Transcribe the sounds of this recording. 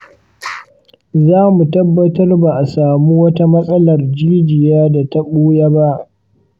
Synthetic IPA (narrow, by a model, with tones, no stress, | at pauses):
zaː˦mu˨tɐ˦bːɐ˨tɐ˦rba˨ʔa˨saː˨mu˦wɐ˦ta˦mɐ˦sʼɐ˦lɐ˨rd͡ʒi˦d͡ʒɪ˨jaː˦da˨ta˦ɓoː˦ja˦ba˦ʔ